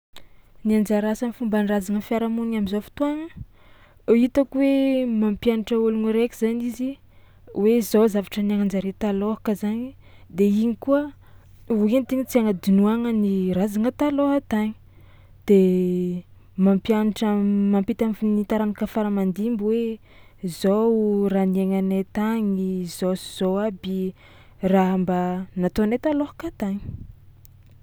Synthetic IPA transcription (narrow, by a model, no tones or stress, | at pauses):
niand͡ʒaɾasanfumbanrazaŋəfiaɾamuniŋamizofu̥t̪uaŋə | it̪akwemampjaniʈ͡ʂəuluŋiɾekʲiz̥anizi | wezozavaʈ͡ʂəniaŋand͡zaɾet̪aloɦakəzaɲi | d̪eiɲikuə | ent̪iɲit͡siaŋəd̪unuaŋənirazaŋət̪aloɦat̪aɲi̥ | d̪̥e | mampjaniʈ͡ʂəmampit̪amnit̪aɾanakəfaɾəmand̪imbwe | zowranieŋanet̪aɲizosiz̥owabi | raɦambanat̪onet̪alohḁkat̪aɲi̥